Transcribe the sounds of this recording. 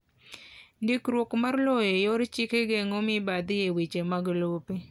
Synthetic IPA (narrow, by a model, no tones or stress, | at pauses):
ndikɾwokmarlɔjɔjoɾt͡ʃɪkeɡeŋomɪbad̪jewit͡ʃemaɡlopi